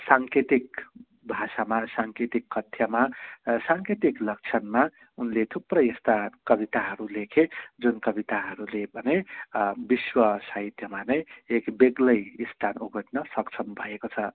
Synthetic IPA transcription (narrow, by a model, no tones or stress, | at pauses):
saŋket̪ik | bʱasamasaŋket̪ikːʌt̪ʰjamasaŋket̪iklʌk̚t͡sʰʌnma | unlet̪ʰuprʌjʌst̪akʌbit̪aɦʌɾulekʰed͡zunkʌbit̪aɦʌɾulebʱʌnebiswʌsaɦit̪jʌmanʌjekbeɡlʌjist̪ʰanuɡʱʌʈnʌsʌkt͡sʰʌnbʱʌekot͡sʰʌ